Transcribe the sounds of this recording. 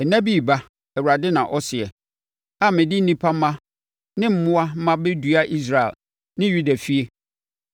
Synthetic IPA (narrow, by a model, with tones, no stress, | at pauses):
ɛ˨næ̃˦bi˦˨ba˦ | ɛ˨wu˨ɾa˨dɪ˦nã˨ʔɔ˦sɪ˨ɛ˨ | a˦mɪ̃˨dɪ˦n̩˦nĩ˦pʰa˦m̩˦mã˦ | nɪ̃˦m̩˦˨mʊ̃˦a˦m̩˦mã˦be˦du˦a˦ʔi˦s̬ɾa˨ɛ̰˨l | nɪ̃˦ju˦da˨fi˦e˦